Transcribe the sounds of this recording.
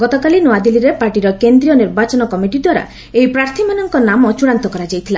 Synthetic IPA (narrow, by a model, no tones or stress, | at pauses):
ɡɔt̪ɔkalinoad̪iliɾepaɾʈiɾɔkend̪ɾijɔniɾbat͡ʃɔnɔkɔmiʈid̪waɾa̰ | ejpɾaɾt̪ʰimanɔŋkɔnamɔt͡ʃuɽ̃ant̪ɔkɔɾad͡ʒajt̪ʰila